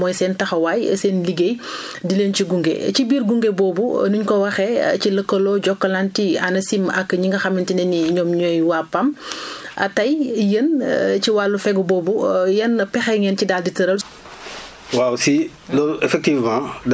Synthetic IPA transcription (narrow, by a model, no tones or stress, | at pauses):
mɔjsɛːntɐxɐwaːj̰sɛːnliɡej | dilenciɡuŋɡḛcibiːɾɡuŋɡebɔːbunuɲkɔwɐxɛciləkːɐlɔɟɔkːɐlantianɐsimɐkːɲiŋɡɐxɐmintinɛniɲɔːmɲɔːjwapːɐm | ʔɐ̰tɐjjənciwalːufɛɡubɔːbujɐnpɛxɛŋɛncidaːlditɐɾɐl | wawsi | lɔefɛk̚tivmãd